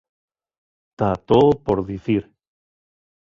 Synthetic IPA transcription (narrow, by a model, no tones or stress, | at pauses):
t̪at̪opoɾðiθiɾ